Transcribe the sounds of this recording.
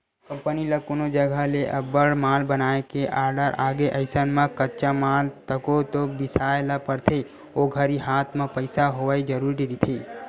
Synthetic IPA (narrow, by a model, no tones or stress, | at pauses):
kə̃mpəniləkunod͡ʒəɡʱaleʔəbəɭmalbənaekeʔaɾɖəɾaɡeʔəɪsanmãkətːt͡ʃamalt̪əkot̪obɪsaelapəɾt̪ʰe | oɡʱəɾiɦat̪ʰmãpəɪsaɦoʋaid͡ʒəɾuɾiɾit̪ʰi